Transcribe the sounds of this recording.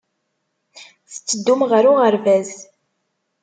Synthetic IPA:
θə̥t͡sːəd̪ːumʁəɾʊʁəɾvæz

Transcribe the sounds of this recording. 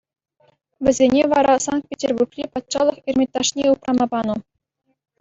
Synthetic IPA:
ʋʲɘ̆zʲenʲeʋɑɾɑsɑnt̪̚pʲetʲerburkrʲipɑt̪ʂɑlˠɤ̆χirʲmʲet̪ːɑʂnʲeuprɑmɑbɑnɤ̆

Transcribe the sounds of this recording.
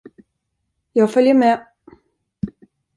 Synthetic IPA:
jɑːɡfœljəme

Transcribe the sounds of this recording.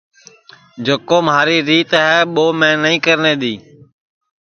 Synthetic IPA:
d͡ʒəkoːmɦaːɾiːɾiːt̪ɦɛːɓoːmẽːnəĩːkəɾneːɗ̪iː

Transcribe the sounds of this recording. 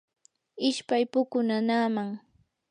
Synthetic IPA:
ɪʃpajpʊkʊnanaːmaŋ

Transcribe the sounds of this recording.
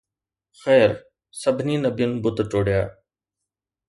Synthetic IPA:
xɛːɾ | səbʱniːnəbijənbʊt̪ʈoːɽjaː

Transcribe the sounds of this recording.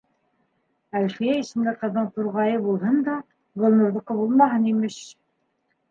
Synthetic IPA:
ælχijæisɘ̆nd̪æqɤ̆ðːɤɴt̪uɾʁɑjɤbulˠɦɤnd̪ɑ | ɡŏlˠnŏɾðuqːɑbulˠmɑɦɤnimɘʃ

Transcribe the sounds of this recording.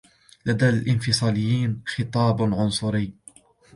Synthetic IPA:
lad̪aːlʔɪnfɪsˤɑːlɪjːiːnxɪt̪ˤɑːbʕʊnsˤʊɾɪjː

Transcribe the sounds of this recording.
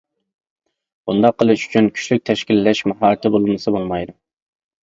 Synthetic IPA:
bund̪ɑqʰːəlˠɨʃy̥t͡ʃʰynkʲʰy̥ʃlyk̚ʲt̪ʰɛʃkʲilːɛʃmɑɦɑːɾɨt̪ʰɪbolˠumɨsɨbolˠmɑjd̪u

